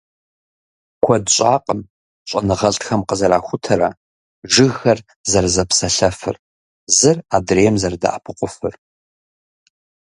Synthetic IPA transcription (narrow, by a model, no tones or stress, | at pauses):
kʷʰɔdɕʷʼaːqʼəm | ɕʷʼɐnɨʁɐɬʼxɐmqəzɐɾaːxʷʊtʰɐɾɐ | ʒɨɣɐr | zɐrzɐpsɐɬɐfɨ̰r | zɨradreːɛmzɐrda̰ʔapʰɨqʷʼʊfɨr